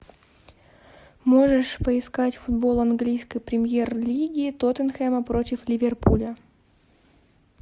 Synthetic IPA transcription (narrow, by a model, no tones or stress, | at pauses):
moʐɨʂpəɪskatʲfʊd̪bo̞lˠɐnɡlʲijskəjpɾʲɪmʲjerlʲiɡʲɪːt̪ot̪ənxɛməpɾo̞tʲɪflʲɪvʲerpulʲə